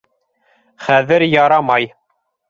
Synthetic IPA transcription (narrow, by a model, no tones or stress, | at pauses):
χæðɘɾjɑɾɑmɑj